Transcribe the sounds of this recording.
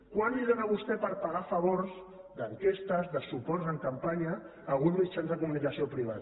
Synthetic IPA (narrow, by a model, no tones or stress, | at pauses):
kwaniðənaβust̪ɛpəɾpaɣafəβoɾz | d̪əŋkest̪əzðəsupɔrzəŋkampaɲəː | lɣunzmit͡ʃanzðəkumunikasiopɾiβ̞a̰t̪